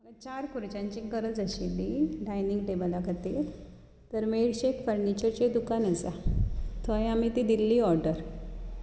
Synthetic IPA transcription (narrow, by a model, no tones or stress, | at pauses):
əɡət͡ɕaɾkʰuɾt͡ɕãɲt͡ɕĩŋkəɾət͡səɕiliɖajniŋɡʈebəlakət̪i | t̪əɾmeɽɕekfəɾnit͡ɕəɾt͡ɕed̪ukanəsat̪ʰəj̃amit̪id̪ilːiːɔɾɖəɾ